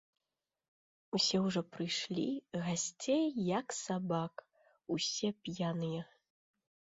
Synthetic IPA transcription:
usʲɛwʐɔpɾɨjʂlʲḭɣasʲt͡sʲejːɐksabak | usʲɛpʲjanɨjɛ

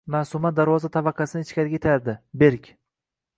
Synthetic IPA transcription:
masʊmat̪̚d̪aɾvɒzat̪ʰabɑqʰɑsɪnɪt͡ʃkʲaɾɪɡʲaet̪ʰajaɾd̪ɪbeɾkʲ

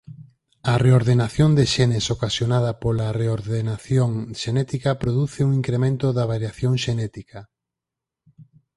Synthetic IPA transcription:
ɐreoɾðenaθjond̪eʃɛnesokasjonaðɐpolɐreoɾðenaθjoŋʃenɛt̪ikɐpɾoðuθɪuŋiŋkɾemẽnt̪oðɐβaɾjaθjoŋʃenɛt̪ikɐ

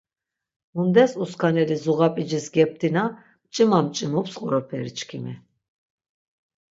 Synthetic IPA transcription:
mund̪ɛsuskʰanɛlizuʁapʼid͡ʒisɡɛp̚t̪ʰina | mt͡ʃʼimamt͡ʃʼimɔpsqʼuɾɔpʰɛɾit͡ʃʰkʰimɛ

